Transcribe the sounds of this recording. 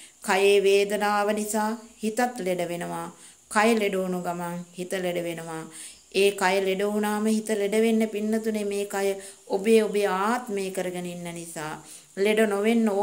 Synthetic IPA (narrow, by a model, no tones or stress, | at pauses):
kajeːʋeːd̪ənaːʋənisaːhit̪at̪leɖəʋenəʋaː | kajəleɖoːnuɡamaŋhit̪əleɖəʋenəʋa | eːkajəleɖounaːməhit̪əleɖəʋenːəpinːət̪unemeːkajə | obeːobejaːt̪meːkəɾəɡəninːənisaː | leɖonoʋenːo